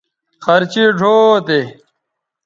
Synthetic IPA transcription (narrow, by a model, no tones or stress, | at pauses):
xɐɾt͡ɕiɖʱoːt̪e